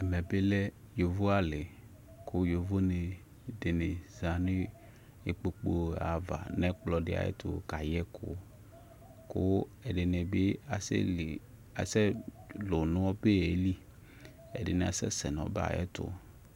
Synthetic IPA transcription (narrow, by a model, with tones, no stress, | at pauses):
ɛ˨mɛ˨be˦lɛ˦ | jo˨vo˦a˨le˨ | ko˦jo˨vo˦ne˨ | de˨ne˨za˨nẽ˦ | e˨k͡po˨k͡po˨˦a˨va̰˨nɛ̃˦k͡plɔ˨ɖe˦a̰˨jɛ̰˦t̪o˨ka˨jɛ˦kʰo̰˦ | ko˦ɛ˨ɖe˨ne˨be˦a˨sḛ˦e˨ | a̰˨sɛ˦lo˨nõ˦wɔ˦be˦e˨˦li˦ | ɛ̰˨de˨ne˨a̰˨sɛ̰˦sɛ˨nɔ̃˨˦ba̰˨jɛ̰˦t̪ʊ̰˦